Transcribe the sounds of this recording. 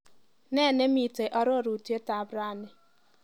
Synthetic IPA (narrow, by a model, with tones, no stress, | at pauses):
nɛ˦˨ne˦mi˨te˨ʔɔ˦ɾɔ˦˨ɾu˨ti˦e˦ta˨˦bɾa˦˨nɪ˨